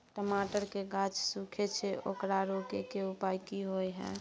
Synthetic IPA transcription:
ʈəmaʈəɾkeɡat͡ʃsukʰet͡ʃʰeʔo̰kɾaɾokekeupajkiɦojɦɛ̰̃

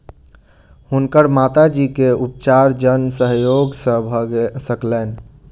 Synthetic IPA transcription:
hunkəɾmat̪ad͡ʒikeup̚t͡ʃaɾd͡ʒənsəɦjoɡsə̃bʱsəklɛn

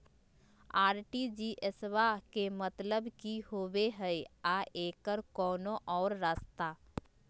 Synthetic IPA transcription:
aːɾʈid͡ʒiːʔesʋakemət̪ləbkihoːweɦɛeaʔeːkəɾkɔːnõʔɔːɾɾaːst̪a

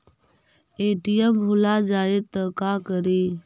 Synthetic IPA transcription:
eːʈijəmbʱʊlaːd͡ʒaːeːt̪əkaːkəɾeː

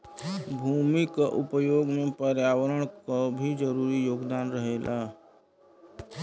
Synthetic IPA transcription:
bʱuːmikaʔʊpəjoːɡmẽpəɾjaːwəɾəɽ̃kabʱid͡ʒəɾuːɾijoːɡd̪aːnɾəɦeːlʔaː

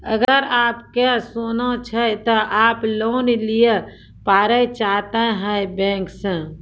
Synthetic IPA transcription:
ə̰ɡəɾaːpkesonot͡ʃʰət̪əʔaːploːnlije | paːɾəjt͡ʃaɦt̪əɦəjbɛ̃ŋksə̃

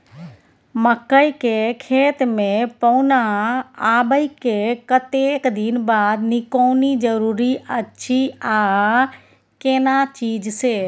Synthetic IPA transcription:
məkːəikekʰeːt̪mẽpɔʊnaaːbəikekət̪ekd̪inbaːd̪nɪkoːnid͡ʒəɾuːɾiətːʃʰiaː | keːnat͡ʃiːd͡ʒseː

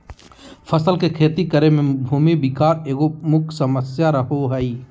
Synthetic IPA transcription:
pʰəsəlkekʰeːt̪ikəɾemẽbʱuːmibɪkaːɾeːɡomʊkʰsəməsjaɾəɦoɦɛi

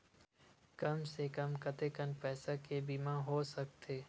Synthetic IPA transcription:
kɐmsekəmkɐt̪ekənpɛːsakebiːmãɦoːsɐk̚t̪ʰeː

